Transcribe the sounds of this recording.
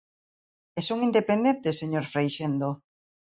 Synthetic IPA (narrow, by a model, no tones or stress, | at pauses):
esoŋind̪epend̪ent̪esːeɲoɾfɾejʃend̪o